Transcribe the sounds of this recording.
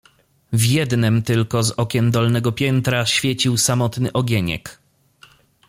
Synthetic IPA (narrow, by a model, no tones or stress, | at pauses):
vʲjɛd̪nɛmt̪ɘlkɔzɔkʲɛnd̪ɔlnɛɡɔpʲjɛnt̪ɾaɕfʲjɛt͡ɕiwsamɔt̪nɘʔɔɡʲeɲɛ̰k